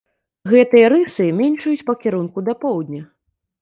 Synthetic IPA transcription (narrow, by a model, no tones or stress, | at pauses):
ɣɛt̪ɨjɐɾɨsɨmʲɛnʲt͡ʂɐjut͡sʲpɐkʲiɾunkud̪ɐpɔwd̪ʲnʲɐ